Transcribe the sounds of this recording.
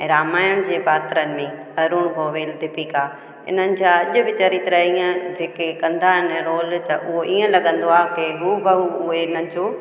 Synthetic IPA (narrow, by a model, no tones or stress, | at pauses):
ɛ̃ːɾaːmaːjʊɽ̃d͡ʑeːbaːt̪ɾənɪ̆mẽɦɐɾuɽ̃ɡʱoːʋeːld̪ʱɪpikaː | ɪ̰n̤ənɪ̆d͡ʑãɐʄʊ̆bɪt͡ɕaɾit̪ɾaiə̃d͡ʑeːkekɐ̃nd̪aɦɪnɛ̃ːɾoːlt̪ɐʔʊɦoʔiːə̃lɐɠə̃nd̪oaːkɪɦubəɦuʊɦeɪnənɪ̆d͡ʑoː